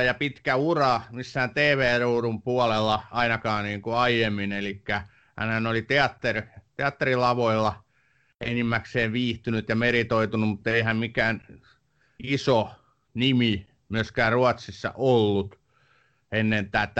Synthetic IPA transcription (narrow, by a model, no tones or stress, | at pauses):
jɑpit̪kæurɑmisːæhːnt̪eːʋeːruːrumpuɑlelːɑɑinɑkɑːniːŋkuɑijemːinelikːæ | hæ̰nhænolit̪eɑt̪ːert̪eɑt̪ːerilɑʋoilːɑ | enimːækseːʋʋiːht̪ynyt̪jɑmeɾit̪oit̪unummut̪ːeihæmmikæːn | iso | nimi | myøskæːrruɑt̪sisːɑ̰ʔolːut̪ | enːent̪æːt̪ː